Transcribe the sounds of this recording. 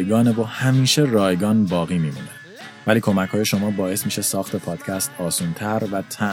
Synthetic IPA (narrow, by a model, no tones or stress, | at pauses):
jɡɒːnevohæmiːʃe̞rɒːjɡɒːnbɒːɣiːmiːmṵːne | væliːkʰo̞mæcʰhɒːjeʃo̞mɒːbɒːe̞smiːʃesɒːxt̪ʰe̞pʰɒːd̪̥cʰæst̪ɒːsuːnt̪ʰæɾvæt̪ʰæ